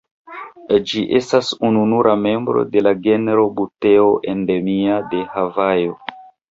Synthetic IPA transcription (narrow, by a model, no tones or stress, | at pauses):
d͡ʒiʔe̞stasununuɾʔame̞mbɾo̰de̞laɡe̞neɾo̞bute̞oʔe̞nde̞miade̞havajo̞